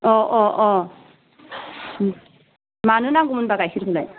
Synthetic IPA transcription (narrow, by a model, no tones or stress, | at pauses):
ɔʔɔʔɔ | manunaɡumunbaɡajxilbulaj